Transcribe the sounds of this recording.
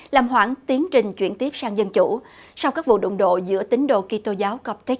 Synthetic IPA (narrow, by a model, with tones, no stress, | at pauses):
laː˨˩mɦwa̰ː˧˩ŋt̪i˨˦əŋt͡ɕï˨˩ŋ̟t͡ɕwi˧˩ənt̪i˦˥əp̚saː˧ŋzə˧nt͡ɕṵ˧˩˥sa˧wkaː˦˥k̚vṵ˧˨ɗo̰˧˨ŋ͡mɗo̰˧˨zɨ̰˧˥ət̪ï˨˦ŋ̟ɗo̰˧˨ki˧t̪o˧zaː˨˦wkɔ˨˦˥p̚t̪i˦˥k̚